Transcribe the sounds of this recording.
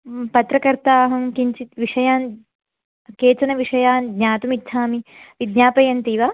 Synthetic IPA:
pɐt̪ɾɐkɐɾt̪aːɦɐmkiɲt͡ʃit̪ʋiʂɐjaːn | keːt͡ʃɐnɐʋiʂɐjaːnɡɲaːt̪umitʃʰaːmiʋid̪ɲaːpɐjɐnt̪iːʋaː

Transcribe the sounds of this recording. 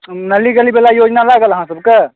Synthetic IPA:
nɐlːiɡəlibeːlajoːd͡ʒnalaːɡəlɦãsɐbkə

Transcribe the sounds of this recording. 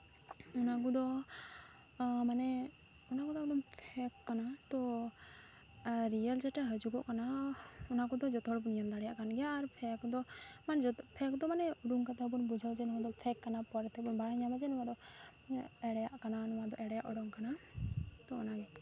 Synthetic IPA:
unakud̪ɔ | manɛ | unakud̪ɔkɔd̪ɔmpʰɛkːanat̪ɔ | ɾijəld͡ʒɛʈɛɦəd͡ʒuɡɔʔkanaunakɔd̪ɔd͡ʒɔt̪ɔɦɔɽbɔnijamd̪aɽɛjaʔkanɡɛjaːɾpʰɛkd̪ɔmanɛd͡ʒpʰɛkd̪ɔmanɛuɽuŋkat̪ɛbunbud͡ʒʱawd͡ʒɛnɔad̪ɔpʰɛkːanapɔɾɛt̪ɛbɔnbaɽaɲamad͡ʒɛnɔwad̪ɔ | ɛɽɛjaʔkananɔmad̪ɔʔɛɽɛjaʔɔɽɔŋkana | t̪ɔɔnaɡɛ

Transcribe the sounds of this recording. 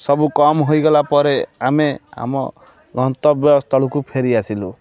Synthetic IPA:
sɔbukɔmɦojɡɔlapɔɾeamea̰mɔ̰ | ɡɔnt̪ɔbjɔst̪ɔɭukupʰeɾiasilṵ

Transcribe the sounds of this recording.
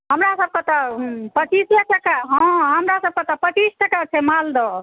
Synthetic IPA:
ɦəmɾasəb̚kət̪əpət͡ʃisʈəkəkaɦə̃ɦəmɾasəb̚kət̪əpət͡ʃisʈəkat͡ʃʰɛmald̪ɔ

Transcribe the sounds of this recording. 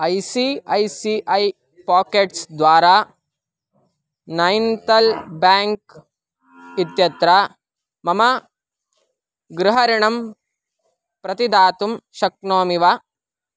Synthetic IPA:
ɐjsiɐjsiʔɐj | paːkeːʈsd̪ʋaːɾaː | nɐjnt̪ɐlbaːŋk | it̪jɐt̪ɾa | mɐmɐ | ɡɾuɦɐɾiɳɐm | pɾɐt̪id̪aːt̪umʃɐk̚noːmiʋa

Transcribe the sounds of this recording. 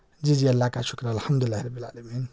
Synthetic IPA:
d͡ʒid͡ʒijɐlːakaʃukɾanalħamd̪uilːaːhiɾˤɐbːilʕa̰ːlɐmiːn

